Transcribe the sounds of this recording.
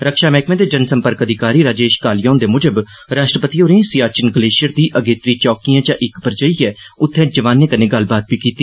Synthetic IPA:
ɾəkʃaːmɛːkmẽːd̪eːd͡ʒənsəmpəɾkəd̪ʱɪkaːɾiːɾaːd͡ʒeːʃkaːlɪjãːnd̪eːmʊd͡ʒəb | ɾaːʃʈɾəpət̪iːoːɾẽːsijaːt͡ʃɪnɡəleːʃɪjəɾd̪iːʔəɡeːt̪ɾiːt͡ʃɔːkijãːd͡ʒãːʔɪkpəɾd͡ʒəiːɛː | ʊt̪ʰːɛ̃ːd͡ʒəʋaːnẽːkənẽːɡəl̤baːt̪̚ʋiːkiːt̪iː

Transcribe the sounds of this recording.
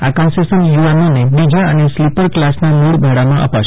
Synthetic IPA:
akãnsesənjuanonebid͡ʒaəneslipəɾklasnamuɽbʱaɽamãʔə̰paʃ

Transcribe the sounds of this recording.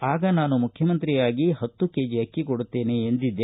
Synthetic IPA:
aːɡɐnaːnumukkʰjɐmɐnt̪ɾijaːɡiɦɐt̪ːuke̞ːd͡ʒiɐkːikoɽut̪ːe̞ːneːnd̪id̪ːe

